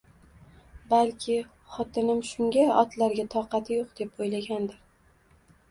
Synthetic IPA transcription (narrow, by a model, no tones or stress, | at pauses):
balkʲʰɪ | χɒt̪ʰɪnɪmʃʊŋɡʲaɒt̪laɾɡʲat̪ʰɒqɑt̪ʰɪjoqd̪̥e̞pojlaɡʲand̪ɪɾ